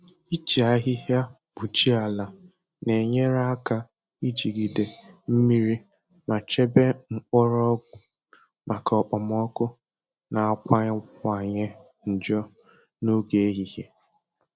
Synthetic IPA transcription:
i˦t͡ʃi˨a˦ɦɪ˦ɦja˦ | b̥u˨t͡ʃi˦a˨la˨ | ne˨ɲe˦ɾa˦a˦ka˦˨ | i˦d͡ʒi˨ɡi˨de˨m̩˦mi˦ɾi˦ | ma˨t͡ʃe˦be˦ŋ͡m̩˨k͡pɔ˦ɾɔ˦ɡʷʊ˨ | mʔa˨kɔ˨k͡pɔ˨m˦ɔ˦kʊ˦ | na˨kʷa˦ɲ˦ŋʷa˨ɲɪ˦ | n̩˨d͡ʒɔ˦ | no˦ɡe˨e˦ɦi˨he˦

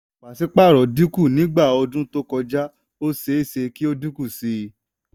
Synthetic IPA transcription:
k͡pa˨si˦k͡pa˦˨ɾɔ˨di˦ku˦˨nĩ˨˦ɡ͡ba˦˨ɔ˧dũ˦to˦kɔ˧d͡ʒa˦ | o˦se˨˦i˦˨se˧ki˦o˦du˦ku˦˨si˧

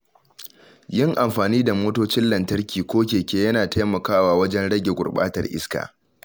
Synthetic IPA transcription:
jɪ˦ŋʔa˨mɸaː˨niː˦da˨moː˦toː˦t͡ʃɪ˦nlɐ˨ntɐ˦rkʲiː˨kʷoː˦k̬ʲeː˨kʲeː˦jɐ˦naː˨ta˦jmɐ˨kaː˦waː˨wɐ˦d͡ʒɛ˦nɽɐ˦ɡʲe˨ɡʷʊ̰˨rɓa̰ː˦tɐ̰˨rʔɪ̰˦ska̰ː˨

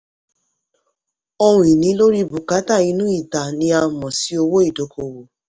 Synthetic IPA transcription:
o˧wũ˨i˨nĩ˨˦lo˦ɾi˦bu˨ka˨˦ta˦˨i˨˧˦nũ˦i˦˨ta˨nĩ˧˦a˧mɔ̃˨si˨˦o˧wo˦i˦˨do˨˦kʰo˧wo˨

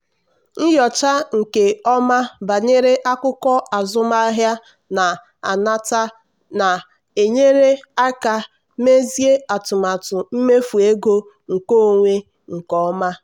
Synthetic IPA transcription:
n̩˦jɔ˨t͡ʃa˦ŋ̩˨ke˨ɔ˦ma˦ba˨ɲe˦ɾe˦ʔa˦kʊ˦kɔ˦a˨zʊ˦ma˦a˦ɦja˦ | na˨ | a̰˨na˦ta˦ | na˨ | e˨ɲe˦ɾe˦a˦ka˨ | me˦zi˦e˦a˨tʊ˨ma˨tʊ˨m̩˦me˦fu˨e˦ɡo˦ | ŋ̩˨ko˦˨ŋʷe˦ | ŋ̩˨kɔ˦ma˦

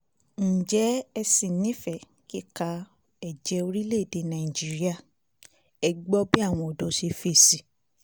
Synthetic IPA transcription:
n̩˨d͡ʒɛ˨˦ɛ˧si˨nĩ˨˦fɛ˦˨ | ki˦˨ka˧ | ɛ˨d͡ʒɛ˨˧o˧ɾi˦le˦˨de˧˨nã˨i˨d͡ʒi˦ɾi˦a˦˨ | ɛ˧ɡ͡bɔ˦bi˦a˦˨w̃ɔ̃˧ɔ˨dɔ˨˦ʃe˧fe˦˨si˨

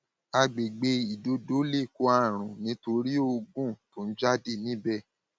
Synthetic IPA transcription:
a˧ɡ͡be˨ɡ͡be˧i˨do˨˦do˦le˦˨ko˧˦a˧˨ɾ̃ũ˨nĩ˨˦to˧ɾi˦o˧ɡũ˦˨to˨˦n̩˦d͡ʒa˦de˦˨nĩ˦bɛ˦˨

